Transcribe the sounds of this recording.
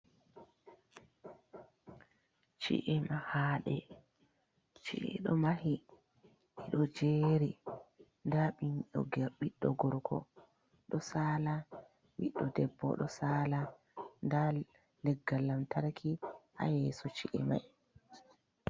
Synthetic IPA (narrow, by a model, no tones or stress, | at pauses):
t͡ʃḭʔɛmahaːɗɛ | t͡ʃiʔɛ̰ɗɔmahi | ɛɗɔd͡ʒeːɾi | ndaɓiɲɔɡɓiɗːɔɡɔɾkʰɔ̰ | ɗɔsaːla | ɓiɗːɔdɛbːɔ̰ɗɔsaːla | nda | lɛɡːalːamtaɾkʰia̰jɛːsɔt͡ʃiʔɛ̰ma̰j